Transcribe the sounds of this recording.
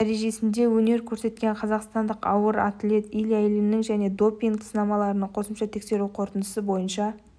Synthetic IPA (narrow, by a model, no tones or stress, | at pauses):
d̪æɾe̞ʒe̞sɪnd̪e̞wɵne̞ɾkʲʰɵɾse̞t̪̚kʲe̞ɴqʰɑzɑqst̪ɑnd̪əqɑwəɾa̰t̪le̞t̪ijlæjlɪnɪŋʒæne̞d̪o̞pʲːiŋɡsənɑmɑlˠɑɾənəɴqʰo̞səmʃɑt̪ʰe̞kse̞ɾuqʰo̞ɾt̪ənd̪əsəbo̞jənʃɑ